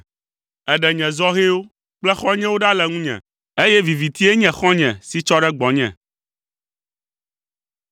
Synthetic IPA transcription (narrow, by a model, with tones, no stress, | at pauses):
ɛ˨ɖɛ˨ɲɛ̃˨zɔ˦ɣe˦wo˦ | k͡plɛ˦xɔ̃˦ɲɛ̃˦wo˦ɖa˦lɛ˨ŋũ˦ɲɛ̰̃˨ | e˦jɛ˦vi˨vi˨t̪i˦e˦ɲɛ̃˨xɔ̃˦ɲɛ̃˨si˦t͡ʃɔ˦ɖɛ˦ɡ͡bɔ̃˨ɲɛ̰̃˨